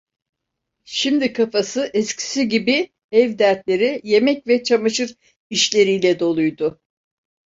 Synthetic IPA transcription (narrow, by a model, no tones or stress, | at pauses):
ʃimd̪ikʰafasɯʔɛscʰi̥siɟibi | ɛvd̪æɾt̪lʲe̞ɾije̞mɛcvɛt͡ʃʰamaʃɯɾ | iʃlʲe̞ɾijlʲɛd̪o̞lˠujd̪ʊ